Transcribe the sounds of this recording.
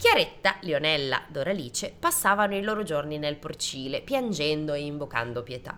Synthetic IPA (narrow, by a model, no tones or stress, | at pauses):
kjaɾet̪ːaleonɛlːa̰d̪oɾaliːt͡ʃepasːaːvanoiloːɾod͡ʒorninelport͡ʃiːlepjand͡ʒɛnd̪oeiɱvoka̰nd̪opjet̪a̰